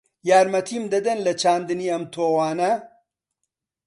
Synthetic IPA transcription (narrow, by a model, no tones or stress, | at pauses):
jaːɾmɐt̪ʰimd̪ɐd̪ɐnlɐt͡ʃʰaːnd̪ɨniːɐmt̪ʰoːwaːnɐ